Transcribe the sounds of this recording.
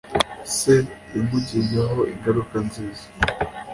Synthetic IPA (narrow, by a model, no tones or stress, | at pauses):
seɾimuɟinaɦoʔiŋɡaɾukanziːzḁ